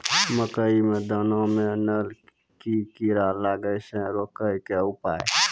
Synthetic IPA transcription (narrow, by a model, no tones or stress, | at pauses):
məkəimẽd̪ənõmẽnəl | kikiɾaɾlaːɡəjsẽɾoːkəkeʊpa̰ːḛ